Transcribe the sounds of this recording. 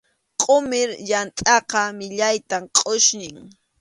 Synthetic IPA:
qʼʊmɪɾjant̪ʼɑqɑmɪʎajt̪amqʼʊʃnɪŋ

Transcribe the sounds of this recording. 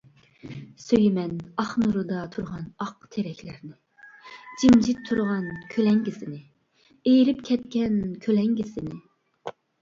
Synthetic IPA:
søjmɛnɑχnuɾud̪ɑt̪ʰuɾʁɑnɑqt̪ʰeɾɛkʲlɪɾnɪ | d͡ʒimd͡ʒɪtt̪ʰːuɾʁɑnkʲʰølɛŋɡʲisɪnɪ | ejɾɪpkʲʰɛt̪̚kʲɛnkʲʰølɛŋɡʲisɪnɪ

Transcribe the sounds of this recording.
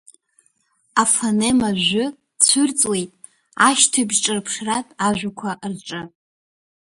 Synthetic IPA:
afanemaʒʷʊ | t͡sʷʰʊrt͡sʼwe̞jtʼ | aʃtʰabʒʈ͡ʂʼɨrpʰʂratʼaʒᶣʷakʷʰaʔrʈ͡ʂʼɨ

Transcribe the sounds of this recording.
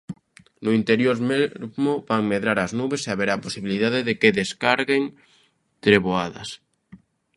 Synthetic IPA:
nʊint̪eɾjoɾmeɾmoβaŋmeðɾaɾaznuβeseaβeɾaposiβiliðaðeðekeðeskaɾɣeŋ | t̪ɾeβoaða̰s

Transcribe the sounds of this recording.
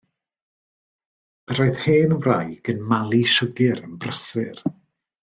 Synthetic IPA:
roɨð̥heːnwrajɡ̥ənmalˠiʃəɡɪɾənbrəsɨr

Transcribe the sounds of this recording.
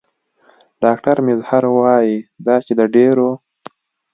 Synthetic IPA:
ɖɑk̚ʈaɾmɪzhaɾwɑjid̪ɑt͡ʃed̪əɖeɾo

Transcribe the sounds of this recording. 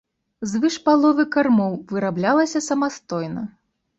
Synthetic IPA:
zvɨʂpalˠɔvɨkarmɔwvɨɾablʲalˠɐsʲɐsɐmast̪ɔjnɐ

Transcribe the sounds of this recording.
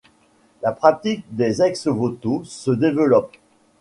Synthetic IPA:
lapχat̪ik̚d̪ezɛksvot̪osəd̪evəlɔp

